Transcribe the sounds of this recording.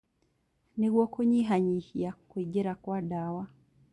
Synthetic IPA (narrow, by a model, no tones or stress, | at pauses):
niɣwɔkoɲiɦaɲihijakweɟɛɾakwaɗawa